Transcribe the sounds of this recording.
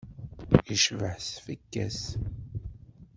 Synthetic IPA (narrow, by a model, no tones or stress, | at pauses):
iʃvəħsfəkːæ̰s